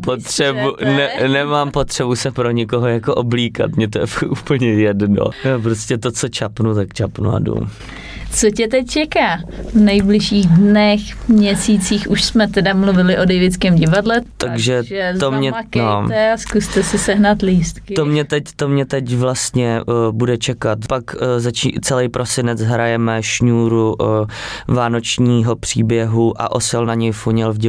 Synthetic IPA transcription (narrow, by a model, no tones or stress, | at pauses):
pot̪r̥ɛbunɛnɛmaːmpot̪r̥ɛbusɛpɾo̞ɲɪkoɦojakoʔobliːka̰t̪mɲɛt̪ojɛ̰fakʔuːpl̩ɲɛjɛdno̰nɛp̬ɾoscɛt̪ot͡sot͡ʃapnut̪̬akt͡ʃapnṵa̰dṵm | t͡socɛt̪ɛc̚t͡ʃɛkaːvnɛjblɪʃiːɣdnɛxmɲɛsiːt͡siːxuʃsmɛt̪ɛdamluvɪlɪʔodɛjvɪt͡skɛːmɟɪvadlɛt̪aɡʒɛʒɛzt̪omɲɛaknoɛaskust̪ɛsɛsɛɦnat̪liːst̪kɪt̪omɲɛt̪ɛct̪omɲɛt̪ɛcvlast̪ɲɛbudɛt͡ʃɛkat̪pakzat͡ʃḭt͡sɛlɛjpɾʔosɪnɛt͡sɦɾajɛmɛʃɲuːɾu | vaːnot͡ʃɲiːɦo̞pr̝̥iːbjɛɦuʔa̰ʔosɛlnaɲɛjfuɲɛlvɟɪ